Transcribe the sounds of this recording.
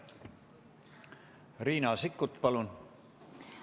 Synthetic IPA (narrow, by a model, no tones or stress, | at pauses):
riːnɑsikːˑut̪pɑlun